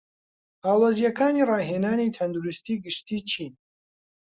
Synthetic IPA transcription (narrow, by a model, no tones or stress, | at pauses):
aːlozijɐkʰaːniːrɑːɦeːnaːnit̪ʰɐnd̪uɾist̪iːɡɨʃt̪iːt͡ʃʰiːn